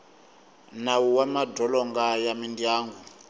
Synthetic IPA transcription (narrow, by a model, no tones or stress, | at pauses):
nawuwamadɔlɔŋɡajamindiaːŋɡu